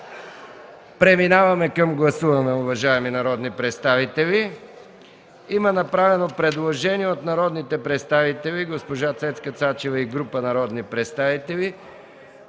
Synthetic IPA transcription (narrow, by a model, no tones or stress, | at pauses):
pɾɛminavɐmɛkəmɡlˠɐsuvɐnɛʊvɐʒaɛminɐɾɔd̪nipɾɛt̪st̪avit̪ɛvi | imɐnɐpɾavɛnopɾɛd̪lˠoʒɛniɛot̪nɐɾɔd̪nit̪ɛpɾɛt̪st̪avit̪ɛliɡospoʒat̪sɛt̪skət̪sat͡ʃɛvəiɡɾupənɐɾɔd̪nipɾɛt̪st̪avit̪ɛli